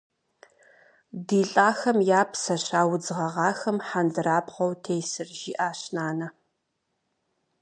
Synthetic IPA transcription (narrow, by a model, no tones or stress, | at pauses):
diːɬʼaːxɐmjaːpʰsɐɕaːwd͡zɨʁɐʁɑːxɐmħandɨɾaːbʁɐwtʰejsɨrʒiːʔaːɕnaːnɐ